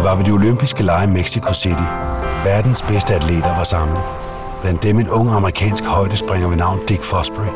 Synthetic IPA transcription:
ʋɑ̈ʋe̝d̥io̝løm̰b̥isɡ̥əlɑ̈ɪmeɡ̥sikʰo̝sidʰi | ʋæɐd̥n̩sb̥esd̥əædʰlḛd̥ɐʋɑ̈sɑ̈ml̩ˠ | b̥læn̰d̥ːeme̝nɔ̽ŋ̰əɑ̈məʁikʰɛ̰ːnsɡ̥hɒ̽ɪ̰d̥əsb̥ʁaŋ̰ɐʋenɑ̈ʊ̰nd̥iɡ̥fɒsb̥ʁi

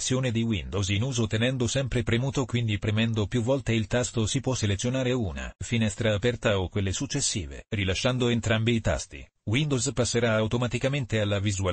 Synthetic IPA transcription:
sːjoːned̪iwind̪ozinuːzot̪enɛnd̪osɛmpɾepɾemuːt̪okwind̪ipɾemɛnd̪opjuvːɔlt̪eilt̪ast̪osipwɔsːelet̪sːjonaːɾeuːna̰finɛst̪ɾaːpɛrt̪aokːwelːesut͡ʃːesːḭːvḛrilaʃːand̪oent̪ɾambiːt̪a̰st̪ḭ | wind̪ozpasːeɾaawt̪omat̪ikament̪ealːavizua

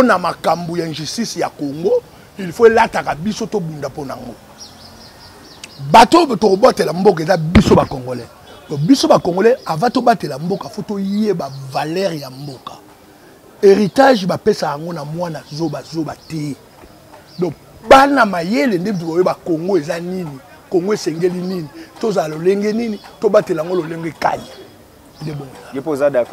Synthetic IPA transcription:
ponamakambujanʒystisja̰koŋɡo | elifoelatakabisotobundaponaa̰ŋɡo̰ | batotokobotelambok̬aezabisobakoŋɡolɛ | dɔbisobakoŋɡolɛavatobatelambokafotojebavalɛʁjambokḁ̰ | eʁitaʒbapesajaŋɡonamwanazobazobatɛ | dɔ | banamajelendem̩tuaebakoŋɡoezanini | koŋɡoesɛŋɡelininitozalaloleŋɡeninitobatelaŋɡololeŋɡeka̰ji | ndeboŋɡoezapozadak

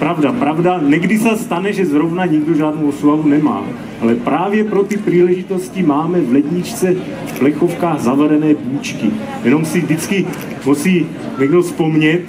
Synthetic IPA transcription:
pɾavdapɾavdanɛɡdisast̪anɛʒɛzɾovnaɲiɡdoʒaːdnowoslavunɛma̰ː | ʔalɛpɾaːvjɛpɾot̪ipriːlɛʒit̪o̞scimaːmɛvlɛɟɲɪt͡ʃt͡sɛ | fplɛxofkaːɣzavɛɾɛnɛːbuːt͡ʃkɪ | jɛno̞msivdɪt͡skɪ | musiː | ɲɛɡdospomɲɛt̪

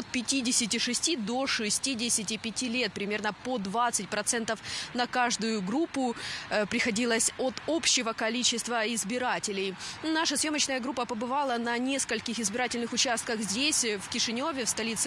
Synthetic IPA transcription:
ot̪̚pʲɪtʲidʲɪsʲɪtʲɪʂɨsʲtʲid̪o̞ʂɨsʲtʲidʲɪsʲɪtʲɪpʲɪtʲilʲet̪̚pɾʲɪmʲe̞rnəpod̪vat̪sɨt̚ʲpɾɐt̪sɛnt̪əfnɐkaʐd̪ʊjʊɡɾupːʊpɾʲɪxɐdʲilˠəsʲot̪opɕːɪvəkɐlʲit͡ɕɪst̪vəɪzbʲɪɾatʲɪlʲɪjnaʂəsjo̞mət͡ɕnəjəɡɾupːəpəbɨvalˠənɐnʲe̞skəlʲkʲɪxɪzbʲɪɾatʲɪlʲnɨxʊt͡ɕast̪̚kəxzʲdʲesʲfkʲɪʂɨnʲo̞vʲɪfst̪ɐlʲit̪sɨ

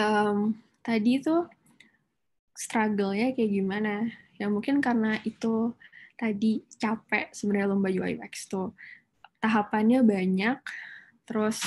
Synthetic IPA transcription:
əm | t̪adit̪u | st̪ɾaɡəlɲakajaɡimanajaŋmuŋkɪnkarənaʔit̪ut̪adit͡ʃapɛʔsəbənaalɔmbad͡ʒua̰jwɛ̰kst̪ʊ | t̪aɦapanɲabaɲak̚ | t̪əɾʊs

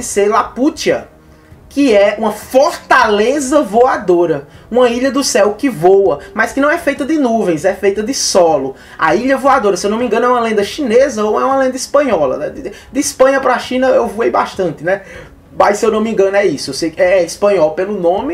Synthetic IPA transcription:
ɪselaput͡ʃiɐ | kɪɛũmɐfoɾt̪alezɐvoad̪oɾɐ | ũmɐiʎɐd̪ʊsɛwkɪvowɐmɐskɪnɐ̃w̃ɛfejt̪ɐd̪ɪnuvẽj̃zɛfejt̪ɐd̪ɪsɔlʊ | a̰iʎɐvoad̪oɾɐsewnɐ̃m̃ĩŋɡɐ̃nʊɛũmɐlẽnd̪ɐʃĩnezɐoɛũɐlẽnd̪ɐispɐ̃ɲɔlɐ̰nɛd̪ɪd̪ɪispɐ̃ɲɐpɾaʃĩnɐewvoejbaʃt̪ɐ̃nt̪ɪnɛ | majssewnɐ̃w̃mĩɡɐ̃nʊɛisʊewsejkɛɛispɐ̃ɲɔwpelʊnõmɪ

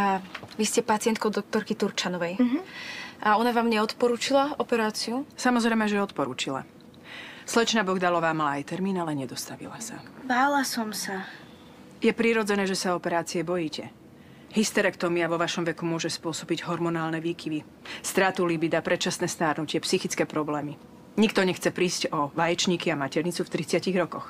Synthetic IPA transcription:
aʋiscɛpat͡sɪɛnt̪kɔʊd̪ɔk̚t̪ɔɾkit̪uɾt͡ʃanɔʋɛj | ʔaɔnaʋaːmɲɛɔt̪pɔɾuːt͡ʃilaɔpɛɾaːt͡siusamɔzɾɛjmɛʒɛɔt̪pɔɾṵːt͡ʃila̰ | slɛt͡ʃnabɔɡd̪alɔʋaːmalaːjt̪ɛɾmiːnalɛɲɛd̪ɔst̪aʋḭlasa̰baːlasɔmsa | jɛpɾiːɾɔd͡zɛnɛːʒɛsaɔpɛɾaːt͡siɛbɔjiːcɛ | ɦist̪ɛɾɛkt̪ɔmiaʋɔʋaʃɔmʋɛkumʊɔʒɛspʊɔsɔbiɟɦɔɾmɔnaːlnɛʋiːkiʋi | st̪ɾaːt̪ulibid̪apɾʔɛt͡ʃasnɛːst̪aːɾnucɪɛpsixit͡skɛːpɾɔblɛːmi | ɲikt̪ɔɲɛxt͡sɛpɾiːscɔʋajɛt͡ʃɲiːkiamacɛɾɲit͡suft̪ɾit͡sɪaciɣɾɔkɔx

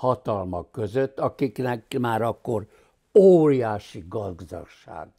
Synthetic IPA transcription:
hɒt̪ɒlmɒkːøzøt̪ːɒkiknɛkmaːɾɒkːo̞r | oːrijaːʃiɡɒɡzɒ̰ʃa̰ːɡ

